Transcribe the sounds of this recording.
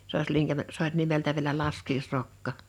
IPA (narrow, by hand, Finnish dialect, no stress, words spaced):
s oˑ is liŋkæmæ s olʲ nimeltæ ʋiĕlæ lɑskiːsrokːɑ